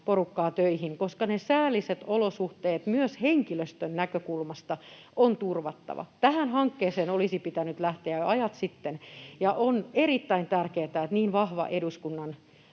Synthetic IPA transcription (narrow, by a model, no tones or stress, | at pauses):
porukːɑːt̪øihinkoskɑnesæːlːˑiset̪olosuht̪eːt̪myøsheŋkiløst̪ønnækøkulmɑst̪ɑ | ont̪urʋɑt̪ːɑ̰ʋɑ̰t̪æhænhɑŋkːeːseːnolisipit̪ænyt̪læht̪eæɑjɑt̪sit̪ːenjɑʔoneɾit̪ːæint̪ærkeːt̪æet̪niːnʋɑhʋɑ̰ʔeduskunːɑn